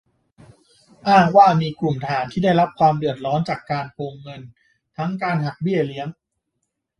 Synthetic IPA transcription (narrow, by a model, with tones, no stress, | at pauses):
ʔaː˥˩ŋwaː˥˩miː˧ku˨˩mt̪ʰaː˩˦nt̪ʰiː˥˩da˥˩jɾa˦˥p̚kʰwaː˧mdɯ˨˩ət̪̚ɾɔː˦˥nt͡ɕaː˨˩kːaː˧npʰoː˧ŋːɤ˧n | t̪ʰa˦˥ŋkaː˧nɦa˨˩k̚bi˥˩ɐli˦˥əŋ